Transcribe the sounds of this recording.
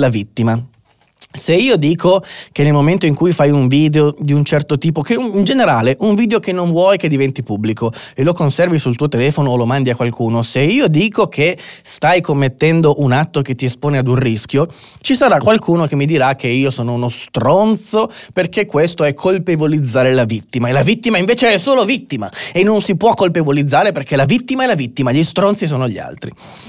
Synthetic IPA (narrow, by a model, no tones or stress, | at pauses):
lavit̪ːima | seiːod̪iːkʰokenːelmoment̪oiŋkujfajuɱviːd̪eod̪iunt͡ʃɛrt̪ot̪iːpokeind͡ʒeneɾaːleʔuɱviːd̪eokenːoɱvwɔːjked̪ivɛnt̪ipubːlikoelokonsɛrvisult̪uːot̪elɛːfonoːlomand̪iakwalkuːnoseiːod̪iːkokʰest̪ajkomːet̪ːɛnd̪oʔunat̪ːok̟et̪ːiespoːnead̪unrisk̟jo | t͡ʃisaɾakːwalkʰuːnokemːid̪iɾakʰːeiːosoːnounost̪ɾont̪soperkekːwest̪oɛkʰːolpevolid̪zːaːɾelavit̪ːimaelavit̪ːimaiɱveːt͡ʃeɛsoːlovit̪ːimaenːonsipwɔkːolpevolid̪zːaːɾeperkelavit̪ːimaɛlavit̪ːimaʎist̪ɾont̪sis̬oːnoʎia̰lt̪ɾi